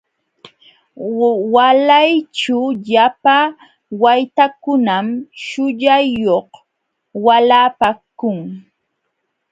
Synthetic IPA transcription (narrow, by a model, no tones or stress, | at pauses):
walajt͡ʃʊʎapa | wajt̪akʊnamʃʊʎajoh | walaːpakʊŋ